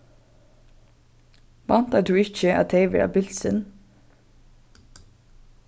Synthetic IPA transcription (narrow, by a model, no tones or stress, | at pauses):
ʋɑnt̪æd̪ʉːɪçəʔɑ̰t̪ʰeɪʋə̰ɑ̰bɪlsən